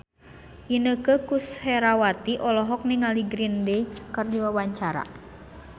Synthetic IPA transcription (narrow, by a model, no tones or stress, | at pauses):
ʔinəkəkusheɾawat̪iʔɔlɔɦɔk̚niŋaliɡɾindeit͡ʃkərdiwawaɲt͡ʃaɾa̰